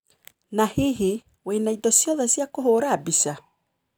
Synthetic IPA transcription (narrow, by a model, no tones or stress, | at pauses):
nahiɦi | wenaidɔsjɔðasjakoɦoːɾaːbisa